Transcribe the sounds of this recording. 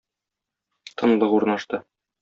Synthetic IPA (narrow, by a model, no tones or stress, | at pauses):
t̪ʰɤ̆nlˠɤuɾnɑʃt̪ɤ